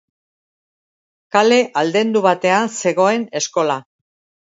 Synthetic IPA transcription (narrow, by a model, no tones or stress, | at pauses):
kale̞ʔald̪e̞nd̪uβat̪e̞anse̞ɣ̞o̞e̞ne̞sko̞la